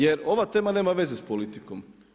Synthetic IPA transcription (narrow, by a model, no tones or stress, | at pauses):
eɾo̞ʋat̪e̞ːmane̞ːmaʋe̞zespolit̪ikom